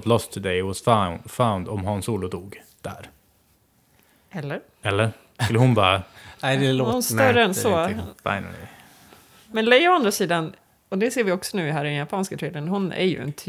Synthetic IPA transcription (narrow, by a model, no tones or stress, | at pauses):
t̪lɔst̪ʰɪd̪ɛɪɪwɔsfanfãʊnd̪ɔmɦansuːlʊd̪uːɡ | d̪̥æ̰ɾ | ɛlːəɾ | ɛlːəɾ | ɵlːəhʊnbɑ̰ːɾaædɛlːʊst̪œɾəɛnsɔfa̰ɪnə̰lḭ | mɛnlɛjɔand̪ɾasiːd̪an | ɔd̪ɛseːɾvɪɔksɔnʉ̟ːɪɦæːɾɪd̪ɛnjapʰɑːnskat̪ʰɾɛːd̪ənɦʊnæ̰ɾjɵ̰ɪ̰nt̪ʰə